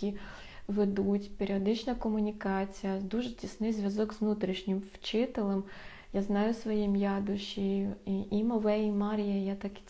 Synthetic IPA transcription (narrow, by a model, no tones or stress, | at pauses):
i | ʋed̪utʲpʲeɾʲiɔd̪ɪt͡ʃnɐkɔmʊnʲikɑt͡sʲijɐd̪uʒetʲisnɪjzʲʋʲjɐzɔɡzʋnut̪ɾʲiʃnʲɪmwt͡ʃɪt̪elˠɛm | jaznɑjʊsʋɔjimjɑd̪ʊʃiiimɔʋɛjimɑɾʲijɐjat̪ɑk